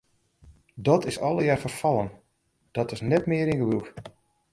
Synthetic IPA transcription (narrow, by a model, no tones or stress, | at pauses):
dɔtʰɪsɔlˠəjaːrfərfɑlˠən | d̥ɔtɪsnɛtmɪəɾinɡəʋulˠk